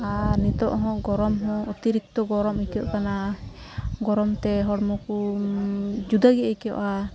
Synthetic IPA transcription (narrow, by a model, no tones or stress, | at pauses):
anit̪ɔʔɦɔ̃ɡɔɾɔmɦɔ̃ʔut̪iɾik̚t̪ɔɡɔɾɔmikɔʔkana | ɡɔɾɔmt̪ɛɦɔɽmɔku | d͡ʒud̪aɡɛikɛɔ̰ʔa